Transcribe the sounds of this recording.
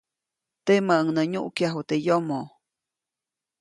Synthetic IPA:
t̪emaəŋnəɲṵʔkjaɦut̪ejomo

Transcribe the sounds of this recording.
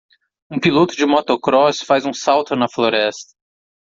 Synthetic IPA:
ũpilot̪ʊd͡ʒɪmot̪okɾɔsfazũsawt̪oɾnɐfloɾɛst̪ɐ̥

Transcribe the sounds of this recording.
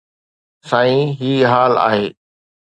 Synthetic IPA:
saːĩɦiːɦaːla̰ːɦeː

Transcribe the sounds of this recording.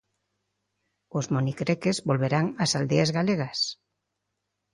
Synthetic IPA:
ʊzmonikɾekezbolβeɾaŋasald̪eazɣaleɣas

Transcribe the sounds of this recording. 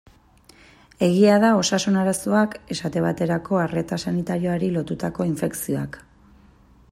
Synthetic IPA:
e̞ɣ̞iaðao̞sasunaɾaso̞ake̞sat̪e̞βat̪e̞ɾako̞are̞t̪asanit̪aɾio̞aɾilo̞t̪ut̪ako̞iɱfe̞ksio̞ak

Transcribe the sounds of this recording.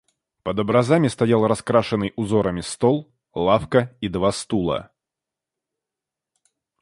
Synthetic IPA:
pəd̪əbɾɐzamʲɪst̪ɐjalˠrɐskɾaʂɨnːɨjʔʊzo̞ɾəmʲɪst̪olˠ | lˠafkəid̪vast̪ulˠə̰

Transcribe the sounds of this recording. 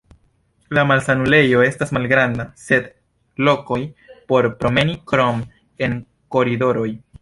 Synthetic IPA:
lamalsanule̞jo̞e̞stasmalɡɾandase̞d | lo̞ko̞jpo̞ɾpɾo̞me̞nikɾom | e̞n | ko̞ɾido̞ɾo̞j

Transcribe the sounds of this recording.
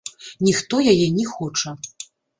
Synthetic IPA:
nʲixt̪ɔjajɛnʲixɔt͡ʂɐ

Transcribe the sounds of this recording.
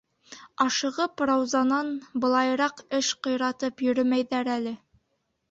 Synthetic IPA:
ɑʃɤ̆ʁɤprɑwzɑnɑnbɤ̆lˠɑjɾɑqɘʃqɤ̆jɾɑt̪ɤpjɵ̆ɾɵmæjðæɾælɘ

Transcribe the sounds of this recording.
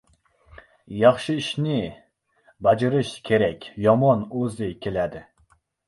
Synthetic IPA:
jɑχʃɨiʃnɪ | bɛd͡ʒiɾɨʃkʲʰeɾɛkʲjɒmɑnøzɪkʲʰelæd̪ɪ

